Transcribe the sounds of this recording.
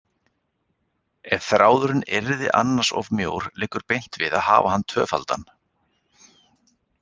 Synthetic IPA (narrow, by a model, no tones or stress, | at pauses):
ɛðθɾaːwðʏɾʏnɛɾðɪʔa̰nːḁsɔ̰vmjoːwɾ̥lɪːkʏɾpejn̥t̪vɪða̰ðha̰ːvahanːt̪ʰœːfa̰lt̪a̰n